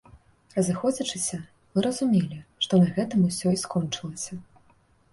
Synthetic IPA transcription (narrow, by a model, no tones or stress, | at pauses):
rɐzɨxɔd͡zʲit͡ʂɨsʲɐ | mɨɾɐzumʲelʲiʂt̪ɔnɐɣɛt̪ɐmusʲɔiskɔnt͡ʂɨlˠɐsʲɐ